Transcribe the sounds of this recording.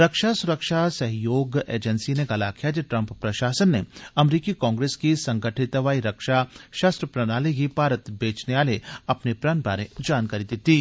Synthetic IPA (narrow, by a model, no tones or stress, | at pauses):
ɾɐkʃasʊɾəkʃasɐɦjoːɡḛːd͡ʒənsineɡɐlakijad͡ʒiʈɾɐ̃mppɾɐʃaːsənːeɐmɾiːkikɔ̃ːŋɡɾeːskisɐ̃ŋɡəʈʰɪt̪ʋaːiɾɐkʃaʃaːst̪ɾəpɾɐnaːliɡipaːɾət̪beːt͡ʃneʋaːleɐpnepɾaːnbaːɾed͡ʒaːnkaːɾid̪ɪt̪i